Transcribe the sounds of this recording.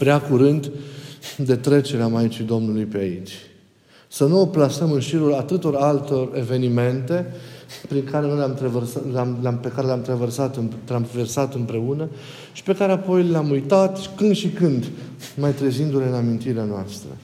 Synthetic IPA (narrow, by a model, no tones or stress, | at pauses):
pɾeakuɾɨnd̪ | d̪e̞t̪ɾe̞t͡ʃe̞ɾeamait͡ʃid̪o̞mnulujpeait͡ʃʲ | sənuoplasəmɨnʃiɾulat̪ɨt̪o̞ɾalt̪o̞re̞ve̞nime̞nt̪e̞pɾiŋkaɾe̞no̞jlamt̪ɾeversalamlampe̞kaɾe̞lʲamt̪ɾeversat̪ɨnt̪ɾave̞rsat̪ɨnpɾe̞unə | ʃi̥pe̞kaɾe̞apo̞jleamujt̪at̪kɨnd̪ʃikɨnd̪ | majt̪ɾezind̪uɾe̞ɨnamint̪iɾeanoast̪ɾə̰